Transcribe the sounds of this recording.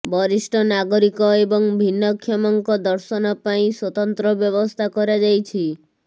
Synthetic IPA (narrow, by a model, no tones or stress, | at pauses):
bɔɾisʈɔnaɡɔɾikɔebɔŋbʱinːɔkʰːjɔmɔŋkɔd̪ɔɾsɔnɔpaĩswɔt̪ɔnt̪ɾɔbjɔbɔst̪ʰakɔɾad͡ʒajt͡ʃʰi